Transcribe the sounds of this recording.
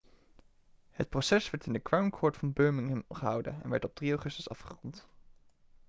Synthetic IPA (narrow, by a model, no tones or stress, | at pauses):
hət̚prosɛsʋɛɹtɪndəkɹawmkʰɔːɹtfɑnbøːɹmɪŋɦəmχəɦʌwdə̰ɛ̰nʋɛ̰ɹtɔb̚driawχɵstəsɑ̰fχərɔnt